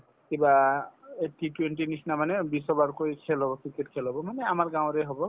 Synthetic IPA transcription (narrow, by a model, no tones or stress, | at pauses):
kibaeʈʰːituwenʈinisnamanɛbisɔbaɹkojkʰɛlɦɔbɔkʰikɛtkʰɛlɦɔbɔmanɛamaɹɡãw̃ɹɛɦobɔ